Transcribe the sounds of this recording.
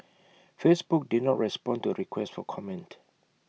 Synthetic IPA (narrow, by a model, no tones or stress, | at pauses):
fesbuk̚didnɔtɹɛspɔ̃ntuɹikʰwɛstfɔkʰɔmɛ̃nt